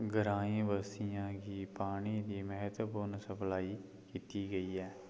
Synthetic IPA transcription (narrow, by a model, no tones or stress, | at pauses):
ɡəɾaːĩːbəsijãːɡiːpaːɽ̃iːd̪iːmɛɦət̪puːnsəpʰlaːiː | kiːt̪iːɡəiːɛː